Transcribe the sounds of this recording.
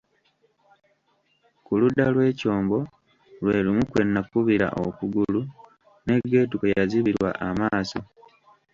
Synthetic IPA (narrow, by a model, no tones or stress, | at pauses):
kuludːalwe̞ːco̞ːmbo̞ | lweːlimukwe̞nːakuβiɾa̰ʔo̰kuɡulu | ne̞ɡːe̞ːtukojaziβiɾwa̰ʔamaːso̞̰